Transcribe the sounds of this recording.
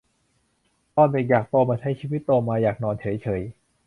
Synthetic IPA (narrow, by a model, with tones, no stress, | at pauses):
t̪ɔː˧˩ne˨˩jaː˨˩k̚t̪oː˧maː˧t͡ɕʰa˧˥˩jt͡ɕʰiː˧wi˦˥t̪ːoː˧maː˧jaː˨˩k̚nɔː˧nt͡ɕʰɤ˩˦jt͡ɕʰɤː˩˦j